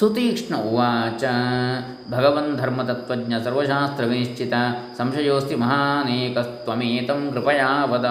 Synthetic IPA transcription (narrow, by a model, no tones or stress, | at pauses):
sut̪iːkʂɳɐʔuʋaːt͡ʃɐ | bʱɐɡɐʋɐnd̪ʱɐɾmɐt̪ɐt̪ʋɐdɲɐsɐɾʋɐʃaːst̪ɾɐʋiniʃt͡ʃʰit̪asɐmʃɐjoːst̪imɐɦaːneːkɐst̪ʋɐmeːt̪ɐmkɾɪpɐjaːʋɐd̪ɐ